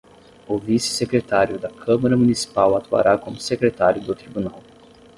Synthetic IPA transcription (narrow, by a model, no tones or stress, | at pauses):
ʊvisɪ̥sekɾet̪aɾjʊd̪ɐkʰɐ̃maɾɐmunisi̥pawat̪ua̰ɾakõmʊsekɾet̪aɾjʊd̪ʊt̪ɾibunaw